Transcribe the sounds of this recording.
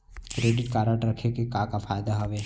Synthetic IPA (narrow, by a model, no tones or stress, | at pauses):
kɾeːɖɪʈkaːɾəʈɾɐkʰekekãkafaːjd̪aɦɐʋeː